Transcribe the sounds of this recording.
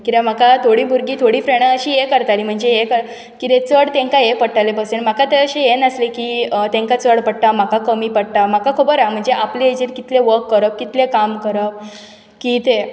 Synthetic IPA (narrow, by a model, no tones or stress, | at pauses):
kit̪am̤akat̪ʰoɽiːbuɾɡiːt̪ʰoɽiːfɾeɳaəɕiːjekəɾt̪alim̤əɳd͡zejekəɾ | kit̪et͡səɽt̪ẽŋkajepəɽʈalepəseɳm̤akat̪eəɕejenəslekit̪ẽŋkat͡səɽpəɽʈ̪am̤akakəmiːpəɽʈ̪am̤akakʰobəɾam̤əɳd͡zeʔapleed͡ʑiɾkit̪leʋəɾkːəɾəp̚kit̪lekamkəɾəp | kit̪e